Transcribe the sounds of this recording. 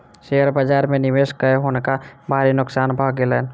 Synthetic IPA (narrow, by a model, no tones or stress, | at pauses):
ʃejəɾbaːd͡ʒaːɾmẽnɪʋeːʃkəeɦoːnekabʱaːɾinʊksaːnbʱaːɡelɛːn